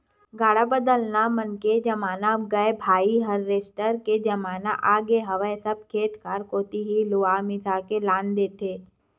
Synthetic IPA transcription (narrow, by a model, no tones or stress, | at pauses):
ɡaːɽabəd̪əlnamənked͡ʒɐmaːnaɡɐebʱaːiɦəɾːeːsʈəɾked͡ʒɐmaːna̰ʔaːɡeɦɐʋəesəb̚kʰeːʈ̪kəɾkoːt̪iɦilʊamɪsakelaːnd̪eːt̪eː